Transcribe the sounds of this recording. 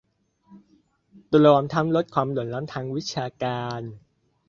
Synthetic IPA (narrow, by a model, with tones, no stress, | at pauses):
t̪u˧˩lɔ˧˦mt̪ʰa˦˧˥mlo˦˥t̪̚kʰwaː˧mlu˩˦nlɔː˦˥mt̪ʰaː˧ŋwi˦˥t̪̚t͡ɕʰaː˧kaː˧n